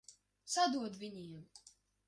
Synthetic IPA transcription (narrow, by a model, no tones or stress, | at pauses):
sad̪uɔd̪vʲiɲiɛm